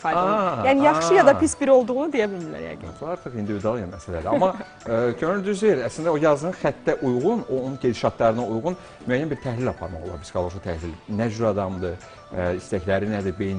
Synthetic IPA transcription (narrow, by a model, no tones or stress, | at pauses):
fɑɑjæːniijɑχʃɯjɑd̪ɑpisbiɾo̞lˠd̪uʁunud̪ejæbilʲmilæ̰ɾjæ̰ɡ̰nbuɑɾt̪ʰɯχind̪ivid̪uɑlˠɯjɑnmæsælæd̪æɑmɑ | cʰønyld̪yzvejiɾæslind̪æojɑznɯnxæt̪ːæʔujʁunonunɟed̪iʃɑt̪ʰlˠɑɾɯnɑujʁun | myæjːænbiɾt̪ʰæhlʲilʲɑpʰɑɾmɑχolˠɑ̰ɾbi̥skʰɑlˠoɾʃɑt̪ʰæhlilnæd͡ʒyɾɑd̪ɑmd̪ɯ | ist̪æçlæɾinæd̪ibejn